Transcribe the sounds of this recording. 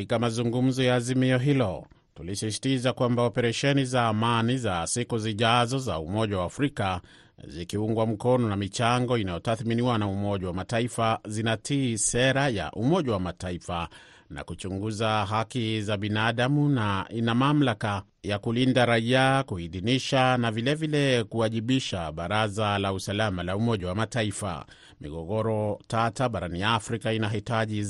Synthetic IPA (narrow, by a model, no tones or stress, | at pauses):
ikamazuŋɡum̩zɔjaːzimiɔɦilɔ | tulisisi̥tizakwambaɔpɛɾaʃɛnizaːmanizasikuziʄazɔza̰umɔʄawaːfɾika | zikiuŋɡwam̩kɔnɔnamit͡ʃaŋɡɔinajɔtaθminiwanaumɔʄawamataifazinatʰiːsɛɾaja̰ʔumɔʄawamataifa | na̰kut͡ʃuŋɡuzaɦakizaɓinaɗamunaʔinamam̩laka | jakulindaɾaiakuhiðiniʃanavilɛvilɛkuaʄiɓiʃaɓaɾazalausalamalaumɔʄawamataifa̰ | mḭɡɔɠɔɾɔtataɓaɾaniafɾikainaɦitaʄi